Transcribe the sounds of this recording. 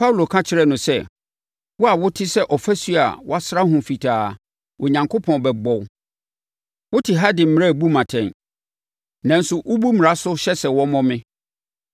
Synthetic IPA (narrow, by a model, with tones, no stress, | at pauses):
pʰa˦wlo˨kʰã˦t͡ɕʰɪ˨˦ɾɛ˦nʊ̃˨sɛ˦˨ | wɔ˦a˨wʊ˦tʰɪ˦sɛ˦ʔɔ˨fæ˦su˦a̰˨wɔ˦a˦sɾa˦ɦʊ̃˨fi˨tʰaː˨ | ʔɔ˨ɲã˨ŋkʰo˦pʰɔ̃˨n˨bɛ˨ɡ͡bɔ˨w | wʊ˦tʰɪ˨ɦa˦dɪ̃˨m̩˦m̃˦ɾa˦˨bu˦mã˨tʰɛ̃˨n | nã˨n̩˦sʊ˨ʔʊ˦bu˦mɪ̃˨ɾa˦sʊ˦ɕɛ˦sɛ˨wɔ˦mɔ̃˦mɪ̃˦